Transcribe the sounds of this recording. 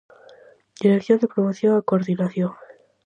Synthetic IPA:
d̪̥iɾekθjond̪epɾomoθjoŋakoɾðinaθjoŋ

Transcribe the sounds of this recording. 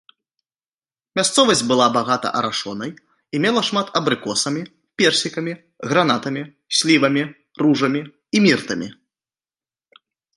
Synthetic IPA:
mʲast̪sɔvɐsʲd͡zʲbɨlˠabaɣat̪ɐ̰ʔɐɾaʂɔnɐj | imʲɛlˠɐʂmat̪ɐbɾɨkɔsɐmʲi | pʲɛrsʲikɐmʲi | ɣɾanat̪ɐmʲi | sʲlʲivɐmʲi | ruʐɐmʲiː | mʲirt̪ɐmʲḭ

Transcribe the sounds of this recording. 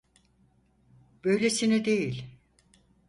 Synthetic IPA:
b̥øjlʲesinid̪ejilʲ

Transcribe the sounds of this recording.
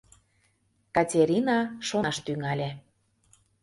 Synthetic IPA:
kɑtʲeɾʲinɑʃonɑʃt̪yŋɑlʲĕ

